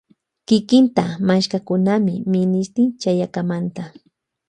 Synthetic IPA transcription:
kɪkɪnt̪amaʃkakʊnamɪmɪnɪʃt̪ɪnt͡ʃajakamant̪a

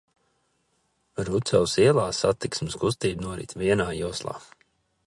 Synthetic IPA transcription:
ɾut̪sɛwsiɛlˠaːsat̪iksmskus̬t̪iːbnuɔɾḭt̪ʲviɛnaːjuɔslˠa̰ː

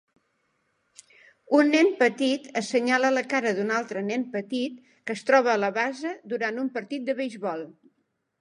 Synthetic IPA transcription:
unːɛnpət̪it̪əsəɲalələkaɾəðunalˠt̪ɾənɛnpət̪it̪̚ | kəst̪ɾɔβ̞əːləβazəd̪uɾant̪umpəɾt̪it̪̚d̪əβəjʒβɔlˠ

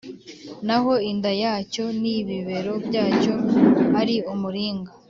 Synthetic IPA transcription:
naɦo̞indajaːco̞niβiβe̞ɾo̞bɟaːco̞aɾiumuɾiːŋɡa

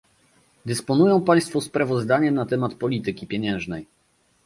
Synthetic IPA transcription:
d̪ɛspɔnujɔ̃w̃paj̃st̪fɔspɾavɔzd̪aɲɛnat̪ɛmat̪pɔlʲit̪ɘkʲipʲjeɲɛ̃w̃ʐnɛj

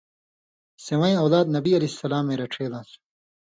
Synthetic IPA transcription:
sewɐĩɐwlaːd̪̚nɐbiɐlesɐlaːmːẽːɾɐʈ͡ʂʰeːlãːsu̥

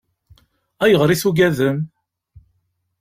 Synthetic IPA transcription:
æjəʁɾiθuɡæðəm

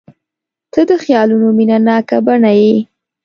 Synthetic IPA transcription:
t̪ʰəd̪əxjɑlunominanɑkabaɳaje

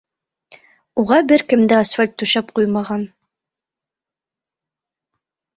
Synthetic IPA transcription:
uʁɑbɘɾkɘ̆md̪ɘasfælʲt̪ːʉʃæp̚qujmɑʁɑn

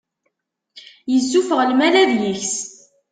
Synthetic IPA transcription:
jəzːufəʁlmælæðjiçs

